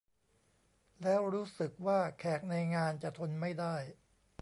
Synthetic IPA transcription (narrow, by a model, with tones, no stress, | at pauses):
lɛː˦˥wɾuː˦˥sɯ˨˩k̚waː˥˩kʰɛː˨˩k̚na˧jŋaː˧nt͡ɕa˨˩t̪ʰo˧nma˥˩jdaː˥˩j